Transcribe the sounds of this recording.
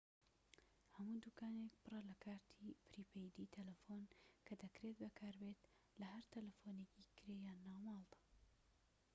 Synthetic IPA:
hɐmuːd̪uːkaːnek̚pɨrɐlɐkʰaːɾt̪ʰiːpɾiːpʰejd̪it̪ʰɐlɐfonkʰɐd̪ɐkɾet̪̚bɐkʰaːɾbeːt̪ | lɐɦɐɾt̪ʰɐlɐfoneːcikɨɾejaːnːaːmɑːlˠd̪ɐ̥

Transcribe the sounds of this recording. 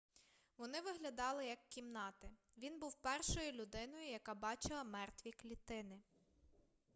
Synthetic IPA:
ʋɔn̪ɪʋɪɦlʲɐd̪ɑlˠɪjɐkːʲimnɑt̪ɪ | ʋʲinbuwpɛrʃɔjʊlʲʊd̪ɪnɔjʊjɐkɑbɑt͡ʃɪlˠɐmɛrt̪ʋʲiklʲit̪ɪnɪ

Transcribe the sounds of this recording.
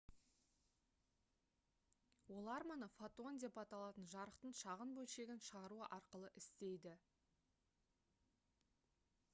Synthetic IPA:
wo̞lˠɑɾmɑnəfat̪ond̪e̞pɑt̪ɑlˠɑt̪ənʒɑɾəqt̪əɴʃɑʁənbɵlʃe̞ɡʲɪnʃəʁɑɾuəʔɑɾqəlˠəʔɪst̪e̞jd̪ɪ

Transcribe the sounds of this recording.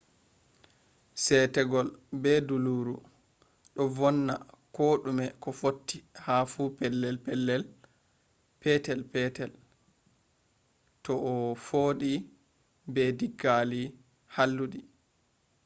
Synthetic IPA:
sɛtɛɡɔlbɛduluːɾu | ɗɔvɔnːa̰koːɗumɛkɔfotːihafuːpɛlːɛlpɛlːɛl | pɛtɛlpɛtɛl | tɔʔːfoːɗi | bɛdiɡːali | halːuɗi

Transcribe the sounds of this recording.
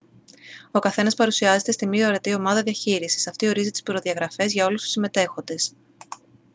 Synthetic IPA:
o̞kɐθe̞nɐspɐɾusiɐze̞t̪e̞st̪imioɾe̞t̪io̞mɐðɐðiɐçiɾisi̥sɐft̪io̞ɾizit̪i̥spɾo̞ðiɐɣɾɐfe̞zʝɐo̞lust̪u̥sime̞t̪e̞xo̞nd̪e̞s

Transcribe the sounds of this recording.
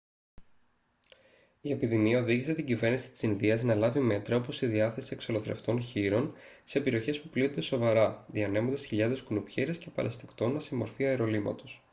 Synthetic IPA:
ie̞piðimiɐo̞ðiʝise̞t̪iɲɟive̞ɾnisi̥t̪i̥sinðiɐznɐlɐvime̞t̪ɾɐo̞po̞siðiɐθe̞sie̞kso̞loθɾe̞̰ft̪o̞nçiɾo̞nse̞peɾioçe̞spuplit̪o̞nd̪e̞so̞vɐɾɐðiɐne̞mod̪esçiʎɐðe̞skunupçeɾiesce̞pɐ̰ɾʔɐst̪ekt̪o̞nːɐsimo̞ɾfiɐeɾo̞limɐ̰t̪o̞s

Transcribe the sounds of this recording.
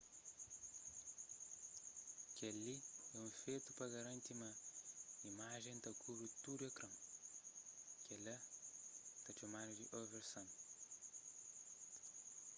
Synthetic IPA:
kɛliɛũfet̪upɐɣɐɾɐ̃nt̪imɐ | imaʒẽj̃t̪ɐkʰubɾut̪ud̪uɐkɾɐ̃ŋ | kɛlɐ | t̪ɐt͡ʃɐmad̪ud̪iʔɔveɾsɐ̃n

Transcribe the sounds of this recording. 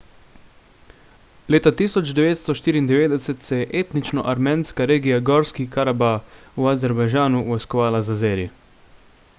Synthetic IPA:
leːt̪at̪iːsɔd͡ʒd̪ɛʋeːt̪st̪ɔʃt̪iːɾiːnd̪ɛʋeːd̪ɛsɛt̪sɛjɛʔeːt̪nit͡ʃnɔʔaɾmeːnskaɾeːɡijaɡɔɾskikaɾabauazɛɾbajʒaːnuʋɔjskɔʋaːlazazeːɾi

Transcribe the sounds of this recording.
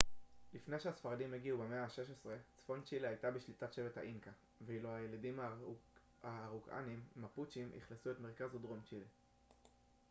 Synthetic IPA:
lifnejʃehasfaʁadimeɡiubemeaʃe̞ʃ̬esʁe̞t͡sfo̞nt͡ʃiliajtabiʃlitatʃe̞vethaʔinka | veilohajeladima | aːʁuka̰nimːaput͡ʃimʔḭχlesuetme̞ʁkazudʁo̞mt͡ʃile

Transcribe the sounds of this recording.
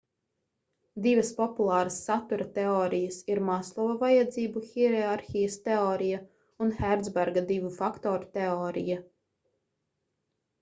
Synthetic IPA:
d̪ivɐspɔpulˠaːɾasːat̪uɾɐt̪ɛɔːɾijɐsiɾmaslˠɔvavajad̪ziːbuxiɾɛaɾxijɐst̪ɛɔːɾija | unxæɾd̪zbæɾɡad̪ivufakt̪ɔːɾut̪ɛɔːɾḭja

